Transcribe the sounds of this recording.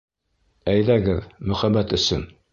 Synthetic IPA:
æjðæɡɘðmɵ̆χæbæt̪ɵ̆sɵn

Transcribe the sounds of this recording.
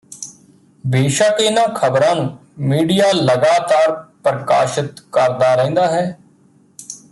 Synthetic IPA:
beːʃaːkɪnãːkʰəbɾãːnũːmiːɖijaːləɡaːt̪aːɾpɾəka̰ːʃɪt̪kəɾd̪aːɾɛ̃ːnd̪aːɦɛː

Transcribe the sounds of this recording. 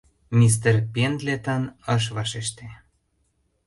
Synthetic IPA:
mʲis̬t̪erpend̪let̪ənəʃ̬βɑʃeʃt̪e

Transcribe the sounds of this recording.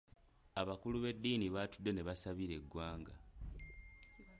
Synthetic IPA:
aβakuluβe̞dːiːniβaːtud̪ːe̞ne̞βasaβiɾe̞ɡwaːŋɡa

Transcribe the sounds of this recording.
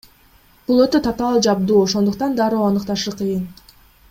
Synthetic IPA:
b̥ulˠøt̪ø̞t̪ʰɑt̪ɑlˠd͡ʒɑb̚d̪uːoʃo̞nd̪uq̚t̪ɑnd̪ɑɾoːɑnɯqt̪ɑʃɯqʰɯjɯn

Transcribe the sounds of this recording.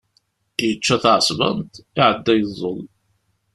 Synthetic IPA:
jət͡ʃːæθʕəsˤvə̰nt̪iʕəd̪ːæjəzˤːəl

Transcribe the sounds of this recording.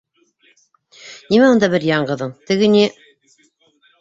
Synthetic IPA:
nimæund̪ɑbɘɾjɑɴɢɤ̆ðɤɴt̪ɘ̆ɡɘ̆ni

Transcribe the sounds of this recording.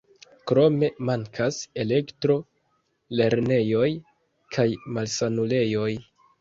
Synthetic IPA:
kɾo̞me̞maŋkʰase̞le̞ktɾo̞ | le̞ɾne̞jo̞j | kʰajmalsanule̞jo̞j

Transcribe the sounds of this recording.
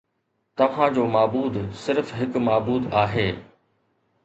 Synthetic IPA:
t̪ɐʋ̤ãd͡ʑoːmaːbuːd̪sɪɾfɦɪkmaːbuːd̪aːɦeː

